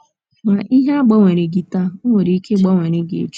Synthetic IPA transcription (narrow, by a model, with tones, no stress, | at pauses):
ma˨ʔi˦ɦe˦a˦ɡ͡ba˦ŋʷe˨ɾe˨ɡi˨ta˦o˦ŋʷe˨ɾi˦ke˦ɡ͡ba˦ŋʷe˨ɾe˨ɡe˨ḛ˨t͡ʃ